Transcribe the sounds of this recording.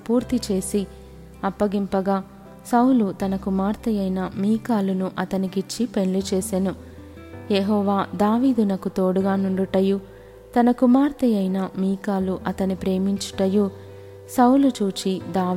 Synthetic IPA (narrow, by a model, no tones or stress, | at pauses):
puːɾt̪it͡ʃe̞ːsi | ɐpːɐɡimpɐɡaː | sɐwlut̪ɐnɐkumaːɾt̪ɐjɐjnɐmiːkaːlunuʔɐt̪ɐnikit͡ʃːipe̞ɳlut͡ʃeːsenu | jeɦɔːʋaːd̪aːʋiːd̪unɐkut̪o̞ːɽuɡaːnuɳɖuʈːɐjuː | t̪ɐnɐkumaːɾt̪ɐjɐjnɐmiːkaːluʔɐt̪ɐnipɾe̞ːmiɲt͡ʃu̥ʈɐjuː | sɐwulut͡ʃuːt͡ʃid̪aː